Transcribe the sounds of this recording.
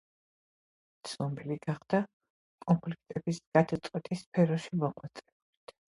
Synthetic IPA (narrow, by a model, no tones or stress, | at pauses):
t̪sʰnɔmbiliɡaχd̪̥a | kʼɔmpʰlik̚ʰt̪ʼɛbisɡ̥ad̪at̪sʼqʼwɛt̪ʼispʰɛɾɔʃimɔqʼwat̪sʼɛbulit̪ʰ